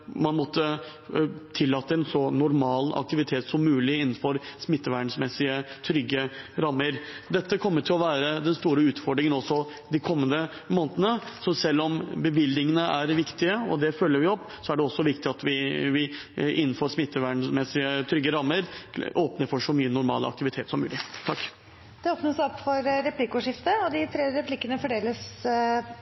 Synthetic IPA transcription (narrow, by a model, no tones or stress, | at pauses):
mɑnmɔt̪ʰːə | t̪ʰɪlːɑːt̪ːəɛnsɔnʊɾmɑːlɑ̰k̚t̪ɪʋɪt̪ʰeːt̪sɔmːʉːlɪɪn̩ːfɔɾsmɪt̪ːəʋæːɳsmɛsːɪət̪ʰɾʏɡːəɾɑmːəɾd̪ɛt̪ːəkʰɔmːəʈʰɪlɔʋæːɾəd̪ɛnst̪uːɾəʉːt̪fɔɖɾɪŋənɔsːɔ | d̪ɪkʰɔmːənd̪ə | moːnət̪ənəsɔsɛlːɔmbəʋɪlɪŋənəʔæɾʋɪkt̪ɪəɔ̰d̪ɛfœlːəɾʋɪɔpː | sɔæɖɛɔsːɔʋɪkt̪ɪɑt̪ʋɪʋɪ | ʔɪnːnfoːɾsmɪt̪ːəʋæɳsmɛsɪət̪ʰɾʏɡːəɾɑmːəɾʔoːpnəɾfɔʂɔmyːənʊɾmɑ̰ːlɑ̰k̚t̪ɪʋɪt̪ʰeːt̪sɔmːʉːlɪt̪ʰɑkː | d̪̥ɛoːpnəsɔpːfɔɾɾɛpʰlɪkʊʂɪft̪əɔd̪ɪt̪ʰɾeːɾɛpʰlɪkːənəfɔɖeːləs